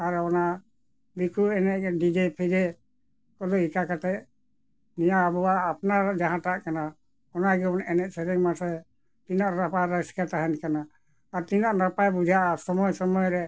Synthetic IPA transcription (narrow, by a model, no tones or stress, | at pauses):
aɾɔna | bikʰuɛnɛʔdid͡ʒɛpʰidɛ | kɔluikakat̪ɛ | nijaːbɔwaːpnad͡ʒaɦãtaʔkana | ɔnaɡnɛnɛʔsɛɾɛŋmasɛ | tinaʔnapaɾaskataɦankanaː | ɾt̪inaʔnapajbud͡ʒʱaʔasɔmɔjsɔmɔjɾɛ